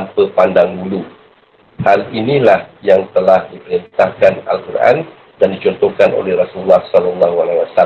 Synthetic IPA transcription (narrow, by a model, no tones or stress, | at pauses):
ampəpandaŋɡulu | halinĩlahjaŋt̪əlahdipəɾint̪ahkana̰lkurʔa̰n | dandit͡ʃɔnt̪ɔhkanʔo̰lɛhrasulːɑhsɔlalːaɦualawasa